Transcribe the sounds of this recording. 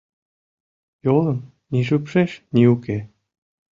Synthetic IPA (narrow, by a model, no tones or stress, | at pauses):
jolɤ̆m | nʲiʒypʃeʃnʲiuke